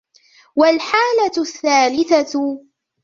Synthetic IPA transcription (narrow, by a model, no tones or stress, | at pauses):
walħaːlaθːaːlɪθa